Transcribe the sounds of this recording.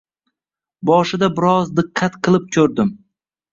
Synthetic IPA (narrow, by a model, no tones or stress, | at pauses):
bɒʃɪd̪abɪɾɒzd̪ɨqʰːɑt̪qʰɨlˠɪp̚kʲʰɵɾd̪ɪm